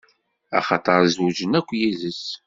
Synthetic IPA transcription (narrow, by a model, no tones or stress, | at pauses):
æ̰χɑt̪ˤɑɾˤzwud͡ʒənækʷːjiðəs